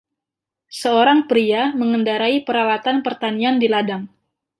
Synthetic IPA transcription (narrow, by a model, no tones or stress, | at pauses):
səoɾaŋpɾiaməŋəndaɾaipəɾawat̪anpərt̪aniandiladaŋ